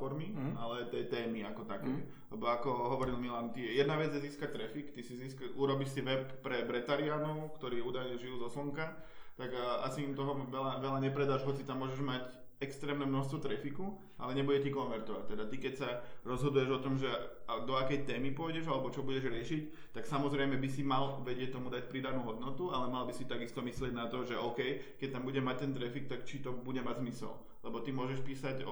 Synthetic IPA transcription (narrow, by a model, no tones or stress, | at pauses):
ɔɾmialɛt̪ɛjt̪ɛːmiakɔt̪akɛj | lɛbɔakɔɦɔʋɔɾilmilant̪ijɛd̪naʋɛd͡zɛziːskac̚t̪ɾɛfikt̪isiziːskauɾɔbiʃsiʋɛpːɾɛbɾɛt̪aɾiaːnɔʊkt̪ɔɾiːuːd̪ajɲɛʒijuzɔslɔŋkat̪aɡa̰siːmt̪ɔɦɔʋɛlaʋɛʎaɲɛpɾɛd̪aːʒɦɔt͡sit̪amːʊɔʒɛʒmac | ɛkst̪ɾɛːmnɛmnɔʃst̪ʋɔt̪ɾɛfiku | ʔa̰lɛɲɛbuɟɛcikɔnʋɛɾt̪ɔʋac̚t̪ɛd̪at̪ikɛcsaɾɔzɦɔd̪ujɛʒɔt̪ɔmʒɛd̪ɔakɛjt̪ɛːmipʊɔjɟɛʒalɛbɔt͡ʃɔbuɟɛʒɾɪɛʃic | t̪aksamɔzɾɛjmɛbisimalʋɛɟɪɛc̚t̪ɔmud̪ac̚pɾiːd̪anuːɦɔd̪nɔt̪ualɛmalbisit̪aɡist̪ɔmislɪɛɟnat̪ɔʒɛʔɔʊkɛjkɛc̚t̪ambuɟɛʒmac̚t̪ɛnt̪ɾɛfik̚t̪akt͡ʃit̪ɔbuɟɛmaɟzmisɛ̰l | lɛbɔt̪imʊɔʒɛʃpiːsaɟ